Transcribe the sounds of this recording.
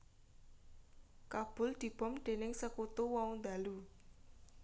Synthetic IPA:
kab̥ʊ̤ld̪̥i̤b̥ɔ̤mɖ̪̥e̤nɪŋsəkut̪uwɔund̪a̤lu

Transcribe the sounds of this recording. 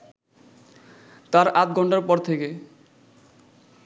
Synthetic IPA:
t̪aɾat̪̚ɡʱɔɳʈaɾpɔɾt̪ʰeke

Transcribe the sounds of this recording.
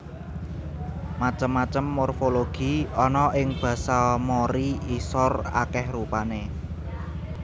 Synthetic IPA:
mat͡ʃəmːat͡ʃəmːorfoloɡ̥i̤ɔnɔʔɪŋb̥ä̤salmoɾiisɔra̰kɛhrupane

